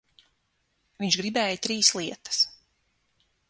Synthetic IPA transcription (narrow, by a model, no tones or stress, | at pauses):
viɲʃɡɾibɛːjt̪ɾiːslˠiɛt̪ə̥s